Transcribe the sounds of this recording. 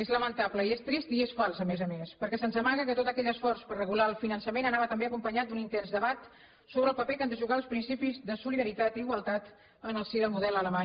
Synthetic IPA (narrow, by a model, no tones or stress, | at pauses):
ezləmənt̪apləiest̪ɾist̪iesfalˠsəmezəmespəɾkɛsənzðəmaɣəkət̪ot̪əkɛʎəsfɔɾspərrəɣulaəlˠfinənsəmenənaβət̪əmbeəkumpəɲat̪̚d̪unint̪ɛnzd̪əβat̪ | soβɾəlˠpəpekand̪əʒuɣaəlˠspɾinsipizðəsuliðəɾit̪at̪iɣwəlˠt̪at̪ | ənəlˠsiðəlˠmuðɛlələma